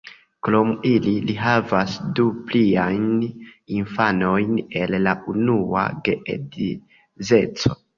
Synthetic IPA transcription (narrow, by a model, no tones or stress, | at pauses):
kɾomililiɦavasdupliajninfano̞jne̞lːaʔunua̰ɡe̞ʔḛdi | ze̞t͡so̞